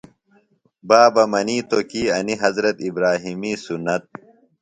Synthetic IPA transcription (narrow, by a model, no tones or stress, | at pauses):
baːbɐmɐniːt̪okiːɐniɦɐzɾɐt̪ibɾaːɦimiːsunːɐt̪̚